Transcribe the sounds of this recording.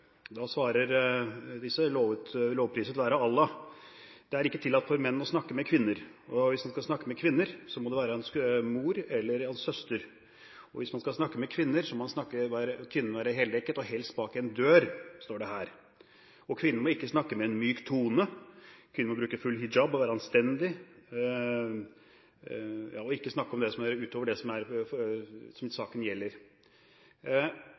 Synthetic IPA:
d̪ɑsʋɑːɾəɾd̪ɪsːəloːʋəloːʋpʰɾiːsət̪ʋæːɾəɑlːɑ | d̪̥ɛæɾɪkːət̪ʰɪlːɑt̪fɔɾmɛnːɔsnɑkːəmɛkʰʋɪnːəɾɔʋɪsmɑnskɑlsnɑkːəmɛkʰʋɪnːəɾsɔmɔd̪ɛʋæːɾəɛnsmuːɾɛlːəɾɛnsœst̪əɾ | ɔʋɪsmɑnskɑlsnɑkːəmɛkʰʋɪnːəɾsɔmɔmɑnsnɑkːəʋæːɾəkʰʋɪnəʋæːɾəɦeːlɛkːət̪ɔhɛlst̪̚bɑːkɛnd̪øːɾst̪oːɖɛɦæːɾ | ɔkʰʋɪnːəmɔɪkːəsnɑkːəmɛɛnmyːkt̪ʰuːnəkʰʋɪnːəɾmɔbɾʉːkəfʉlːhɪd͡ʒɑbɔʋæːɾɑnst̪ɛnd̪ɪ | jɑ̰ːɔɪkːəsnɑkːəɔmd̪ɛsɔmæɾʉːt̪ʰoːʋəɖɛsɔmæɾ | sɔmsɑːkənjɛlːəɾ

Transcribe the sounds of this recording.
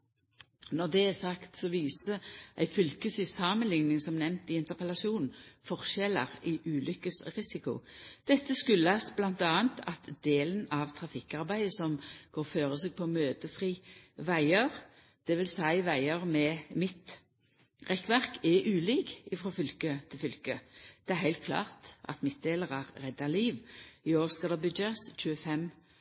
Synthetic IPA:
nɔʁd̪ɛæsɑkt̪sɔʋiːsəʔæɪfʏlkəsɪsɑmənlɪŋnɪŋsɔmnɛmt̪ɪɪnt̪əʁpɛlɑsuːnn̩fɔʁʃɛlə̰ʁɪʔʉːlʔʏkəsʁɪsɪkʊ̰d̪̥ɛt̪ːəskʉlːəɑsblɑnt̪ɑːənt̪ʰɑt̪d̪eːlənɑʋt̪ʰʁɑfɪkːɑʁbæɪəsɔmɡ̥oːʁføːʁəseːɡ̚pʰɔmøːd̪əfʁiːʋæɪəʁ | d̪̥ɛʋɪlsæɪʋæɪəʁmɛmɪt̪ | ʁɛkːʋæʁkɛʔʉːliːkɪfʁoːfʏlkət̪ʰɪlfʏlkəd̪̥ɛæɾhæɪlt̪̚kʰlɑ̰ːʁt̪ʔɑ̰t̪mɪt̪̚d̪eːləʁæʁʁɛd̪ːɑliːʋɪoːʁskɑld̪ɛbʏdɑst͡ʃʉːəfɛm

